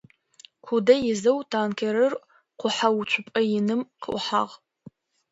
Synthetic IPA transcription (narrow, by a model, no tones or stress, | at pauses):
kʰʷudɐjɪzɐwtʰaːnkʰeɾɨr | qʷʊħawt͡ʃʷʰʊpʼɐjɪnɨmqʰə̰ʔʷʊħa̰ʁ